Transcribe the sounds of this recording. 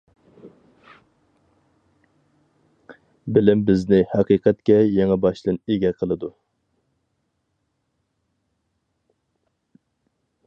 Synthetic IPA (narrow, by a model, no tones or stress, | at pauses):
bɪlɪmbɪznɪhæqiqʰɛt̪kʲɛjɛŋɛbɑʃd̪ɨneɡʲɛqʰəlˠɨd̪u